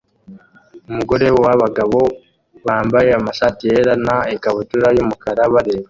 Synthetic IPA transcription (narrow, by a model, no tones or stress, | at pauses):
umuɡo̞ɾewwaβaɡaβo̞ | βaːmbajeamaʃaːtijeɾanaekaβutuɾajumukaɾaβaɾe̞ːwe